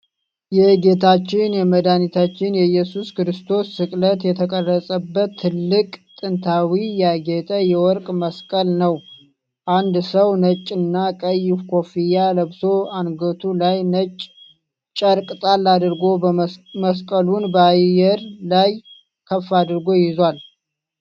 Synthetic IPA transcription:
jɛɡe̞t̪ʰat͡ʃːɪnjɛməd̪anit̪ʰat͡ʃːɪnjɛjɛsuskɾɨst̪ʰo̞sːɨkʼlət̪jɛt̪ʰəkʼərːəsʼəbːət̪ʰːɨlːɨkʼt̪ʼɨnt̪ʰawijaɡɛt̪ʰʼəjɛwɔɾkʼməskʼəlnəw | ʔand̪səwnət͡ʃʼːɨnːakʼəjːɪfkʰo̞fijaləβso̞anɡət̪ʰulajnət͡ʃʼː | t͡ʃʼəɾkʼɨt̪ʼalːad̪ɾɡo̞məskʼəlunbəajɛɾlaj | kʰəfːad̪ɾɡo̞jɪzwal

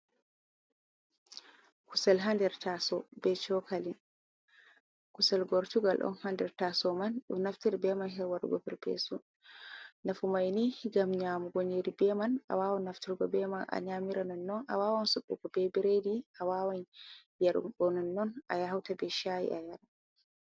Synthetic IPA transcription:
kusɛlɦandɛɾtasɔbɛt͡ʃɔkalin | kusɛlɡɔɾtuɡalɗɔ̰nhandɛɾtasɔmanɗɔ̰nːaftiɾbɛmanɦɛɾwaɾṵɡɔ̰pɛɾpḛsu | nafumajnihiɡamɲamuɡoɲeɾibɛmana̰waːwɔnaftiɾɡɔbɛmanʔa̰ɲamiɾanɔnːɔnʔawaːwansuɓːṵkɔbɛbiɾediʔawawanjɛɾɡɔnɔnːɔnʔajaɦawtabɛʃajḭʔajaɾa

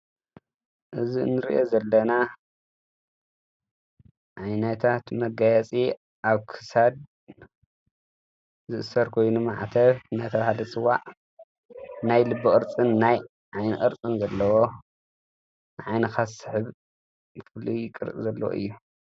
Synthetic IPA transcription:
ʔɨzinːɨɾḭʔozɐlːɐna | ʕajnɐt̪ʰat̪mɐɡajɛt͡sʼi | ʔaβkʰɨ̥sad̪ | zɨʔɨsɐɾkʰo̞jnumaʕt̪ʰɐβnajt̪ʰɐβahalɐt͡sʼɨwːa̰ʕ | najlɨbːɨkʼɨɾt͡sʼɨnːaj | ʕajnɨʔʼɨ̰ɾt͡sʼɨnzɐlːɐwo̞ | nɨʕajnɐxasɨ̥ħɨβ | kʰɨlijɪkʼɨɾt͡sʼzɐlːɐ̰wo̰ʔɨ̰jːu

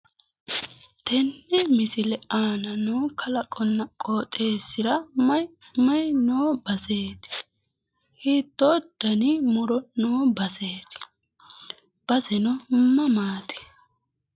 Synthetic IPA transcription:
t̪ɛnːɛmɪsɪlɛaːnɐnoːkʰɐlɐkʼːɔnːɐkʼoːt̪ʼe̞ːsɪɾɐ | mɐjnoːbɐse̞ːt̪ɪ̥ | hiːt̪ːɔd̪̥ɐnɪmʊɾɔnoːbɐseːt̪ɪ̥ | b̥ɐsɛnɔmːɐmaːt̪ɪ̥

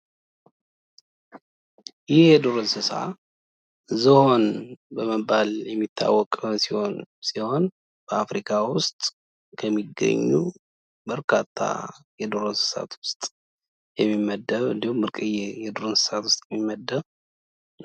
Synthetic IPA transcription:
jɪhjɛd̪oɾonsɨsa̰ | zəho̞nbəməbaljɛmːit̪ʰːa̰wːɔkʼsiho̞nsiho̞n | b̥əafɾikʰawʊst̪ʼ | kʰəmːiɡːə̰ɲːu | bəɾkʰat̪ʰːa̰jɛd̪oɾonsɨ̥sa̰t̪ʰwʊst̪ʼ | jɛmːimːəd̪ːəβɨ̰nd̪ihumbɨɾkʼɨjejɛd̪oɾonsɨ̥sat̪wʊst̪ʼjɛmːimːəd̪ːəβ

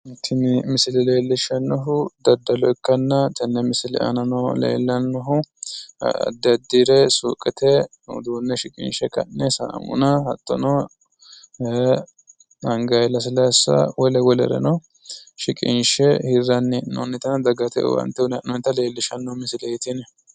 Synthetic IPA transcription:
t̪ʰːɪnɪmɪsɪlɛle̞ːlːɪʃɐnːɔɦʊd̪ɐd̪ːɐlɔɪkːɐnːɐt̪ɐnːɛmɪsɪlɛ̰ʔɐ̰nɐnɔlḛːlːɐnːɔɦʊ | ɐ̰d̪ːɪɐd̪ːiɾɛsṵːkʼɛt̪ʰɛ | d̪uːnːɛʃɪkʼɪ̰nʃɛkɐ̰nːɛsɐ̰mʊ̰nɐhɐt̪ːɔnɔ | ɐŋɡɐjlɐs̬ɪlɐjsːɐ̰wɔlɛwɔlɛ̰ɾɛ̰nɔ | ʃɪkʼɪ̰nʃɛhɪrːɐnːɛnɔnːɪt̪ɐnɐd̪ɐɡɐt̪ɛ̰wɐ̰nt̪ːɛnɔnt̪ːɐleːlːɪʃɐnːɔhmɪsɪlɛjɪt̪ɪnɛ

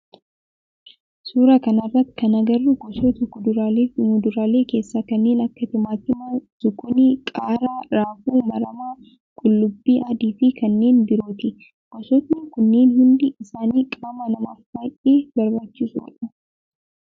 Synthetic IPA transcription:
suːɾakɐnɐrːɐt̪ːkɐnɐɡɐrːʊɡɔsɔt̪ʊkʊd̪ʊɾamʊd̪ʊɾaːle̞ːke̞ːsːakɐnːe̞ːnɐkːɐt̪ɪmaːt̪ɪmɐt̪ʊɡʊnikʼaːɾaːɾaːfuːmɐɾɐmaː | kʼʊlːʊbːiːʔɐd̪iːfikɐnːe̞ːnbɪɾoːt̪ɪ | ɡ̥ɔsɔt̪nɪkʊnːe̞ːnhʊnd̪ɪɪsaːniːkʼaːmɐnɐmaːffaːjʔeːbɐɾbaːt͡ʃːɪsʊ̰ᶑɐ

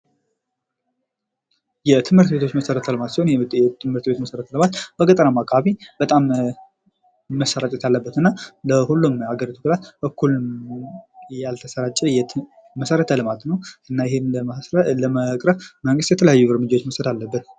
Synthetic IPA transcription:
jɛt̪ʰɨmhɨɾt̪bet̪ʰo̞t͡ʃːməsəɾət̪ʰəlɨmat̪siho̞nɛt̪ʰɨmhɨɾt̪be̞t̪məsəɾət̪ʰlɨmat̪b̥əkʼət̪ʼənamakʰʼaβibət̪ʼam | əsəɾat̪ʼɛt̪alːəbːət̪ɨnːaləhulːumaɡəɾit̪ʰu̥kʰlat̪bəkʰːul | jalt̪ʰəsəɾat͡ʃʼːɛjɛ | məsəɾət̪ʰəlɨmat̪nəwʔɨnːajɪhɪnlələməkʼɾəβməŋɡɨst̪jɛt̪ʰələjajːuɾmɨd͡ʒawot͡ʃːməsəd̪alːəbːət̪

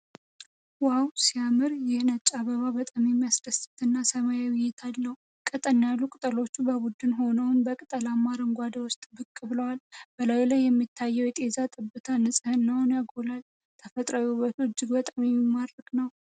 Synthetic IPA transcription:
wawsijamɨɾjɪhnət͡ʃʼaβəβabət̪ʼamemːiasd̪əsɨ̥t̪ʰɨnːasəmajawʊjɛt̪ʰalːəw | kʼət̪ʼənjalːukʼɨt̪ʼəlo̞t͡ʃːubəbud̪ɨnɦo̞nəwʊnbəkʼɨt̪ʼəlamːaɾəŋɡʷad̪əwʊst̪ʼbɨkʼːɨbɨləwalb̥əlajlajːɛmːit̪ʰːajːɛwjɛt̪ʼe̞zat̪ʼɨbːɨt̪ʰanːɨsʼɨhɨnːawnaɡolal | t̪ʰəfət̪ʼɾəjuβət̪ɨd͡ʒːɪɡbət̪ʼamemimːaɾəkʼnəw

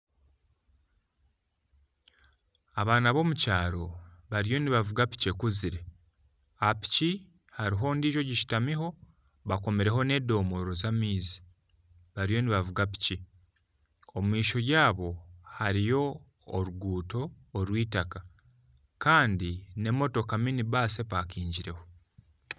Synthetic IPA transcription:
aβaːnaβo̞mucaːɾo̞βaɾijo̞niβavuɡapi̥cekuziɾe̞ | api̥ci | haɾiɦo̞ːndiːʒo̞ɟiʃi̥tamiɦo̞ | βakome̞ɾe̞ɦo̞ne̞ːdo̞ːmo̞ɾo̞zamiːzi̥ | βaɾijo̞niβavuɡapi̥ci | o̞mumiːʃo̞jaːβo̞haɾijo̞ː | ɾuɡuːto̞ː | ɾwiːtaka | kaːndine̞mo̞to̞kaminiβaːse̞pakiːɲɟiɾe̞ho̞

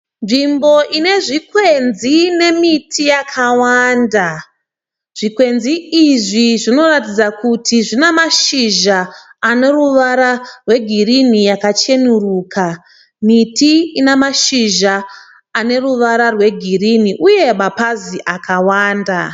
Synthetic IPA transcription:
nʐimbo̞ʔine̞ʐikwenzine̞mitʰijakʰawaːnda | ʐ̥ikwe̞nziiʐiʐino̞ratid͡zakutʰiʐinemaʃiʒaːne̞ruʋaɾarwe̞ɡʱirinijakat͡ʃe̞nuruːkʰa | mitiinemaʃiʒaː | ne̞ruʋaɾarwe̞ɡʱiriniʔuje̞mapaziʔakawaːnda

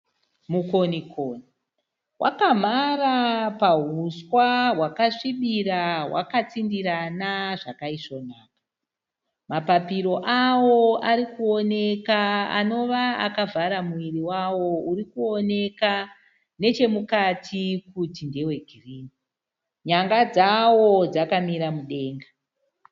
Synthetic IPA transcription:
mukonikʰoːni | wʔa̰kam̤arapaɦuswaɦwakaʂiɓiɾawa̰kat͡sindiɾanaʐakaiʂonaːkḁ | mapapiɾo̞ʔawo̞aɾikuo̞ne̞kaa̰no̞ʋaa̰kavaɾamuʋiriwawo̞uɾikuo̞ne̞ka | ne̞t͡ʃe̞mukatʰikutinde̞we̞ɡʱiriːni | ɲaŋɡad͡zawo̞d͡zakamiɾamuɗe̞ːŋɡa

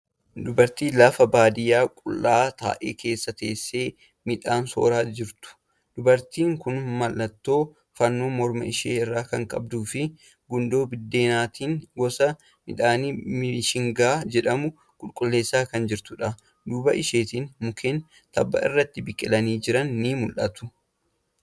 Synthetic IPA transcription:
d̪ʊbɐɾt̪iːlɐfɐbaːd̪ɪjaːkʼʊlːaːt̪a̰ːʔḛːkʰe̞ːsːɐt̪e̞ːsːeː | mɪᶑaːnso̞̰ːɾaːd͡ʒɪɾt̪ʊ̥ | d̪̥ʊbɐɾt̪iːŋkʊnmɐlːɐt̪ːo̞ː | fɐnːoːmɔɾmɐ̰ɪʃeːɪrːaːkɐŋkʼɐ̰b̚d̪uːfɪ | ɡʊnd̪o̞ːbɪd̪ːeːnaːt̪ʰiːnɡɔsɐ | mɪ̰ᶑaːnimɪʃɪŋɡaːd͡ʒɛᶑɐmʊ | kʼʊlkʼʊlːe̞ːsːaːkɐnd͡ʒɪɾt̪ʊᶑɐ | d̪uːbɐʔɪʃeːt̪iːnmʊkʰeːn | t̪ɐbːɐ̰ɪ̰rːɐt̪ːɪbɪkʼːɪlɐniːd͡ʒɪɾɐnːɪmʊlʔɐt̪ʊ̥

